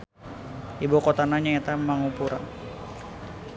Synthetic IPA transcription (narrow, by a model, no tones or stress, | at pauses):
ibokot̪anaɲaet̪amaŋupuɾa̰